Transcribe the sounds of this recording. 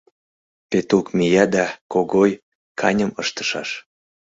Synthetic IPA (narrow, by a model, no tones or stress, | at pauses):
pet̪ukmijɑd̪ɑkoɣoj | kʰɑnʲəməʃt̪ə̥ʃɑʃ